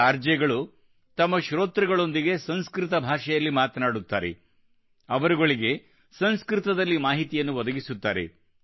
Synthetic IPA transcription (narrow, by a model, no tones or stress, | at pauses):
aɾd͡ʒɛɡɐɭu | t̪ɐmːɐʃɾoːt̪ɾɐɡɐɭo̞nd̪iɡe̞sɐnskɾɪt̪ɐbʱaːʃɛjɐlːimaːt̪ɐnaːɽut̪ːa̰ːɾḛ | ɐʋɐɾuɡo̞ɭiɡe̞ | sɐnskɾɪt̪ɐd̪ɐlːimaːɦit̪ijɐnːuʋɐd̪ɐɡisut̪ːaːɾḛ